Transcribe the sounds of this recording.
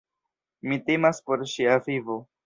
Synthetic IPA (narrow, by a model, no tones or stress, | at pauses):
mitemaspo̞ɾʃiavivo̞